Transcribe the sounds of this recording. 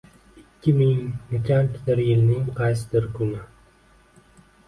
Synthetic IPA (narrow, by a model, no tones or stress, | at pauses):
ɪkʲʰːɪmɪŋnɪkʰʲant̪ʰɪ̥d̪ɪɾjɪlnɪŋqʰɑjsɪd̪ɪɾkʰʊnɪ